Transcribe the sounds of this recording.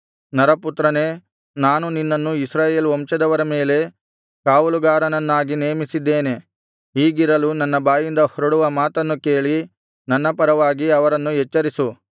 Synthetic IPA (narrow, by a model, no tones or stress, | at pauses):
nɐɾɐput̪ɾɐne̞ː | naːnuninːɐnːuisɾaːje̞ːlʋɔmt͡ʃɐd̪ɐʋɐɾɐme̞ːle̞ | kaːʋuluɡaːɾɐnɐnːaːɡineːmisid̪ːe̞ːne̞ | ɦiːɡiɾɐlunɐnːɐbaːjind̪ɐhɔɾɐɽuʋɐmaːt̪ɐnːuke̞ːɭi | nɐnːɐpɐɾɐʋaːɡiɐʋɐɾɐnːuɦɛt͡ʃːɐɾisu